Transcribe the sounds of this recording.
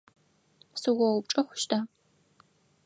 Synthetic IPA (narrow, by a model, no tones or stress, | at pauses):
sɨwɔwʊp̚ʈ͡ʂʼɐxʷʊ̥ʃtʰaː